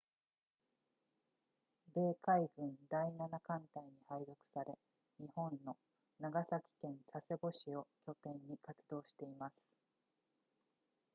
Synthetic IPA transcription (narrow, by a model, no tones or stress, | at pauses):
be̞ːkaiɡɯ̟̃nd̪ainanakãnt̪aiɲ̟ihaizo̞kɯ̥saɾe̞ | ɲihõ̞nːo̞ | naɡasakʲi̥kẽ̞ɰ̃sase̞bo̞ɕio̞kʲo̞t̪ẽ̞ɲːikat͡sɨd̪o̞ːɕi̥t̪e̞imasɨ̥